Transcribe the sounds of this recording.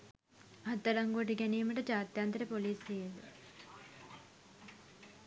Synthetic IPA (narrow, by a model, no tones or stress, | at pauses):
at̪ːɐlɐŋɡuʈ̬iɡæniːməʈəd͡ʒaːt̪jaːnt̪əɾəpoliːseet̪u